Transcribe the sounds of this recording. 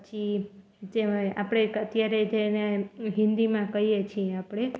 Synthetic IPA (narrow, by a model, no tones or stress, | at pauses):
t͡ʃi | d͡ʒea̰pɽ̃ekət̪jaɾed͡ʒeneɦĩnd̪imãkəijet͡ʃʰieapɽ̃e